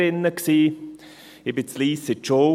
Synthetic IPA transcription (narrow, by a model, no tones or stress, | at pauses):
ɪnːəksiː | ɪbɪsliːsɪt͡ʃoː